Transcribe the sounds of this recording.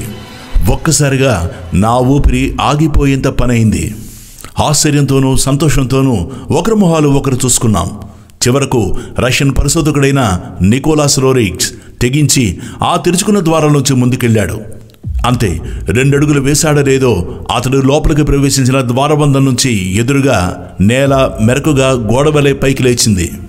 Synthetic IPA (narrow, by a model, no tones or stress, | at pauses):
wɔkːɐsaːɾiɡaːnaːuːpiɾiʔaːɡipo̞ːjɐnt̪ɐpɐnɐjind̪ḭ | aːst͡ʃːɐɾjɐnt̪o̞ːnuːsɐnt̪ɔːʂɐnt̪o̞ːnuːɔkɐɾɐmɐɦaːluɔkɐɾit͡ʃuːsu̥kunːa̰ːmu | t͡ʃiʋɐɾɐkuɾʔɐʂjɐnpɐɾisɐd̪ɔkuɽɐjnɐnikɔːlaːsɾoːɾiːks | t̪eɡiɲt͡ʃiaːt̪iɾut͡ʃu̥kunːɐd̪ʋaːɾaːnuɲt͡ʃimund̪ukeɭːaːɽṵ | ɐnt̪e̞̰ːɾe̞ɳɖeɽuɡuluʋɛːsaːɽɐleːd̪o̞ːɐ̰t̪ɐɽulɔːpɐlɐk̬ipɾɐʋe̞ːʃiɲt͡ʃinɐd̪ʋaːɾɐʋɐnd̪ɐnːuɲt͡ʃied̪uɾuɡaː | nɛːlameɾɐkuɡaːɡɔːɽɐʋɐlepɐjkileːt͡ʃind̪ḭ